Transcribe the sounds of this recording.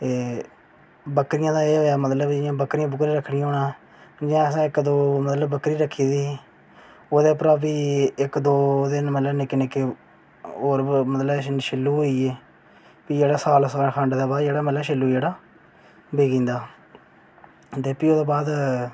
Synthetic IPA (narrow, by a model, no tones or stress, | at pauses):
t̪eː | bəkɾɪjãːd̪aːeːɦoːjaːmət̪ləbd͡ʒjãːbəkɾɪjãːbəkɾiːɾəkʰːɽɪjãːɦoːnãː | d͡ʒãːəsãːɪkd̪oːmət̪ləbːəkɾiːɾəkʰːiːd̪iː | oːd̪eːp̬əɾaːbiːɪkd̪oːd̪enmət̪ləbnekːɪneke | oːɾmət̪ləbʃɪlːuːɦoːiːeː | piːd͡ʒeːɽaːsaːlskʰəɳɖd̪aːbaːd̪d͡ʒeːɽaːmət̪ləbʃɪlːuːd͡ʒeːɽaː | biːɡĩːnd̪aː | t̪eːpiːoːd̪oːbaːd̪